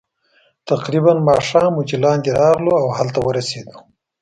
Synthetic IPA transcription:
t̪aqɾibanmɑʂɑmːut͡ʃilɑnd̪eɾɑɣloawhalt̪awəɾased̪u̥

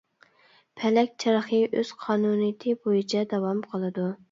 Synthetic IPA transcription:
pʰɛlɛkʲt͡ʃʰɑɾɑχəʔøz̥qʰɑːnunɨjt̪ʰɨbojit͡ʃʰɛd̪ɑwɑmqʰəlˠɨd̪u

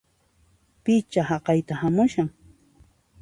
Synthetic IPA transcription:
pɪt͡ʃahɑqɑjt̪ahamʊʃaŋ

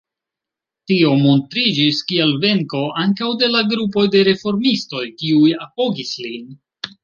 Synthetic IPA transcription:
tio̞mo̞ntɾid͡ʒiskielve̞ŋko̞ʔaŋkawde̞laɡɾup̬o̞jde̞ɾe̞fo̞ɾmisto̞jkiujapo̞ɡislin

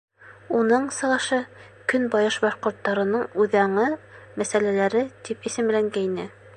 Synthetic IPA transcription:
unɤɴsɤ̆ʁɑʃɤ | kɵnbɑjɤʃbɑʃqŏɾt̪ːɑɾɤ̆nɤɴʉðæɴɤmæsælælæɾɘt̪ipisɘ̆mlæŋɡæinɘ

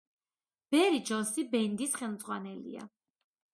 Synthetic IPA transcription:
b̥ɛɾid͡ʒɔnsibɛnd̪isχɛlˠmd̪zʼʁwanɛlḭa̰

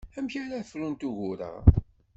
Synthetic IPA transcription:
æmçaɾafɾunt̪uʝʊɾə̰ʁ

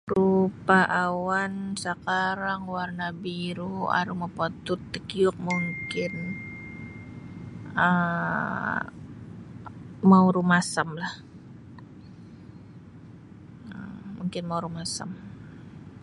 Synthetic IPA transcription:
rupaʔawansəkaɾaŋwarnabiɾua̰ɾuməpot̪ʊt̪ːəkiʊk̚muŋkɪn | ə | mauɾumasamlah | əmuŋkɪnmauɾumasa̰m

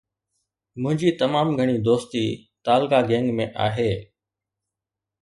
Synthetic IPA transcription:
mʊ̃ɦɪ̃ɲd͡ʑiːt̪əmaːmɡʱəɽ̃iːd̪oːst̪iːt̪aːlkaːɡẽːŋɡmẽːʔa̰ːɦeː

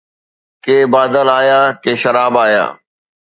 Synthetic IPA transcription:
keːbaːd̪əlaːjaːkeːʃəɾaːbaːja̰ː

